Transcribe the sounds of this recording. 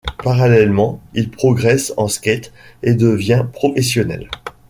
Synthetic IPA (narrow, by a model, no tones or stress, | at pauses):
paʁalɛlmɑ̃ilpχɔɡʁɛsɑ̰̃skʲɛt̪ed̪əvjɛ̃pχɔfɛsjɔnɛ̰l